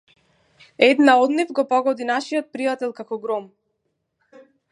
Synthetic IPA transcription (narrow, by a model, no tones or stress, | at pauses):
ɛd̪naɔd̪nifɡɔpɔɡɔd̪inaʃiɔt̪̚pɾijat̪ɛlˠkakɔɡɾɔm